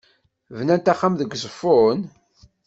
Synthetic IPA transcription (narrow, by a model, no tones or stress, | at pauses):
vnænt̪aχːamðəɡʷːsˤəfːʊn